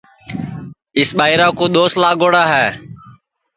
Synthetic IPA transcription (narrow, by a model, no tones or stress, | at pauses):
ɪsɓaːiɾaːkoːɗ̪oːslaːɡoːɽaːɦɛː